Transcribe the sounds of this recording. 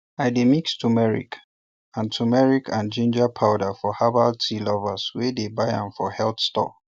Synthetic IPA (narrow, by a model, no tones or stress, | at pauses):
aɪdemikstʰumɛɹḭk | ãntʰumɛɹikʰãnd͡ʒĩnd͡ʒapʰaʊdafɔhabaltʰilɔvəswedebaɪã̰nfɔhɛlt̪stɔ̰